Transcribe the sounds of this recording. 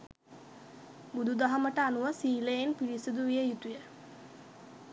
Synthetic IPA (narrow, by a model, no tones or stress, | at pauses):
bud̪ud̪aɦaməʈəanuʋəsiːləjenpiɾisud̪uʋijəjut̪ujə